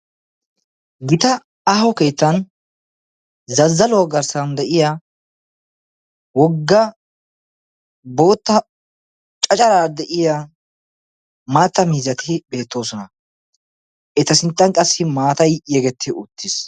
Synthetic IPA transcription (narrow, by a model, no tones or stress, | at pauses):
ɡɪt̪ɐ | aɦɔke̞ːt̪ːɐn | zɐzːɐlʊwɐɡɐɾsɐnd̪ɛʔɪja | wɔɡːɐ | bo̞ːt̪ːɐ | t͡ʃʼɐt͡ʃʼɐɾaːd̪ɛʔɪja | maːt̪ːɐmiːzɐt̪ɪbe̞ːt̪ːo̞ːsɔnɐ | ʔɛt̪ɐsɪnt̪ʼːɐŋkʼɐsːɪmaːt̪ɐjjɛɡɛt̪ʰːɪʊt̪ːɪs